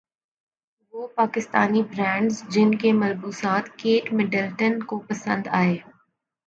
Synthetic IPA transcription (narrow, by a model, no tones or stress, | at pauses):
ʋoːpaːkɪst̪aːnibɾɛ̃ːɳɖzd͡ʒɪnkemɐlbuːsaːt̪keːʈmɪɖəlʈənkopɐsə̃nd̪aːeː